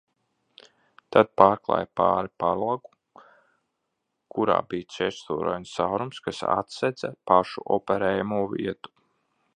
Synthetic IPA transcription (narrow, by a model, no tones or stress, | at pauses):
t̪ad̪̥̚paːɾklˠa̰ːjpa̰ːɾipaɾlˠaɡu | kʰuɾa̰ːbiːɛʃt̪uːɾɔ̰jnsawɾumskasa̰t̪sɛd̪zapaʃṵʔɔpɛɾɛːjamuɔvḭɛt̪u̥